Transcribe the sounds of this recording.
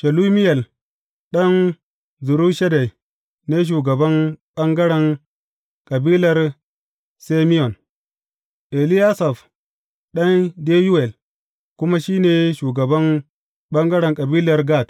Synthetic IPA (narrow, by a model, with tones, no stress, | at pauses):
ʃa˨lu˦mi˦je˨l | ɗɐ˦n | zu˨ɾu˦ʃa˦da˨i˨ | ne˦ʃ̬uː˨ɡɐ˨bɐ˦nɓɐ˦ŋɡɐ˦ɽa˨ŋ | kʼɐ˨biː˦lɐ˨ɾ | se˦mi˦jo˨n | ʔe˨li˦ja˦sa˨f | ɗɐ˦nde˦ju˦we˨l | ku˦ma˦ʃiː˦neː˨ʃuː˨ɡɐ˨bɐ˦n | ɓɐ˦ŋɡɐ˦ɽɐ˨ŋkʼɐ˨biː˦lɐ˨ɾɡa˦˨t